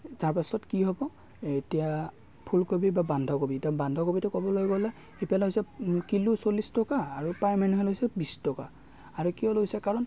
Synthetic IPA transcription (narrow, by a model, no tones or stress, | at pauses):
taɹpasɔtkiɦobɔ | etija | pʰulkobibabandʱɔkobitabandʱɔkobitʊkɔbɔlojɡɔlɛ | epijalɛɦosɛkilusolistɔkaːɹupajmanuɦɛlɛɦojsɛbistɔka̰ | aɹukijɔlojsɛkaɹɔn